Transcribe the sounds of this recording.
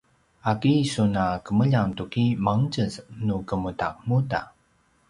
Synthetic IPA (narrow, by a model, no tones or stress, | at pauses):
akisunakəməʎant̪ukimaŋd͡ʒəsnukəmuta̰ʔmuta̰